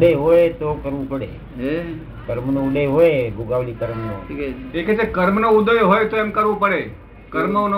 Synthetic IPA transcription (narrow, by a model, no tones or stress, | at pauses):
ɽeɦojt̪okəɾʋũpəɽḛ | e | kəɾmnouleɦojeɡʱuɡaʋlikəɾmno̰eket͡ʃekəɾmnoud̪əjɦojt̪oemkəɾʋũpəɽe | kəɾmon